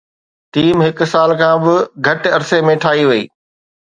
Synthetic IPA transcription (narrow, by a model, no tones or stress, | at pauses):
ʈiːmɦɪksaːlkʰãːbɪɡʱɐʈɐɾsemẽʈʰaːɦiʋɐḭː